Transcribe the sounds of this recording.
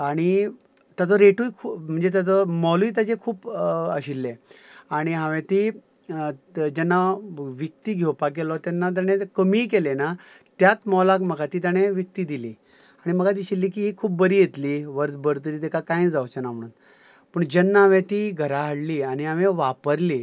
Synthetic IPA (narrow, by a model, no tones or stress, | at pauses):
aɽ̃i | t̪at̪ɔɾeʈuikʰum̤əɳd͡zet̪at̪ɔmɔluiːt̪̬at͡sekʰuːpəɕilːeaɽ̃iɦãʋẽt̪i | d͡ʑɛnːaʋjək̚t̪iːɡʱewpakelɔt̪janːat̪̬jaɽ̃ekəmiːk̬elena | t̪jat̪mɔlakməɡat̪iːt̪̬jaɽ̃eʋjək̚t̪iːd̪iliː | aɽ̃iməɡat̪̬iːɕilːiːk̬iːɦiːkʰuːp̚bəɾiːjet̪liːʋəɾt͡sbəɾt̪əɾiːt̪ɛkakãjd͡zawt͡ɕənam̤əɽuːn | pəɳd͡ʑɛnːaɦaʋẽt̪iɡʱəɾaɦəɽliːaɽ̃iaʋeʋapəɾliː